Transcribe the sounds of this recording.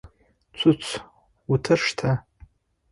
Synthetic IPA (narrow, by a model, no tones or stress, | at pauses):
t͡sʷʰʊt͡sʷʰ | utʰɨrʂtʰa